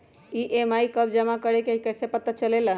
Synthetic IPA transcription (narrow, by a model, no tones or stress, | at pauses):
iʔemaikəbd͡ʒəmakəɾekeɦikəsepət̪ət͡ʃəlelə